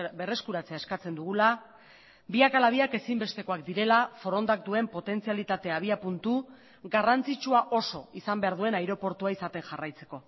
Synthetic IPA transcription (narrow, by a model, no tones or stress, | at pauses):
be̞re̞skuɾat͡se̞ae̞skat͡se̞nd̪uɣ̞ula | biakalaβ̞iake̞simbe̞st̪e̞ko̞akd̪iɾe̞lafo̞ɾo̞nd̪ak̚d̪ue̞mpo̞t̪e̞nt͡sialit̪at̪e̞aβ̞iapunt̪u | ɡarant͡sit͡ʃuaʔo̞so̞isambe̞aɾðue̞najɾo̞po̞ɾt̪uaisat̪e̞ŋʝarajt͡se̞̥ko̞